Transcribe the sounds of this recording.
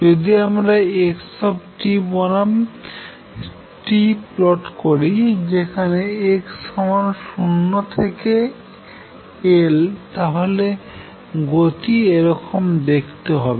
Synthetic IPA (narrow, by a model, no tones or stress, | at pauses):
d͡ʒod̪iamɾaekʃɔbʈibonam | ʈiplɔʈkoɾid͡ʑekʰaneekʃɔmanʃunːot̪ʰeke | elt̪aɦole | ɡot̪ieɾɔkomd̪ekʰt̪eɦɔbe